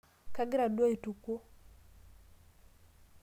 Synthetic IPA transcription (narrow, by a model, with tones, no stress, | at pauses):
ka˦ɡɪ˦ɾa˨dwa˦i˨tu˨ko˦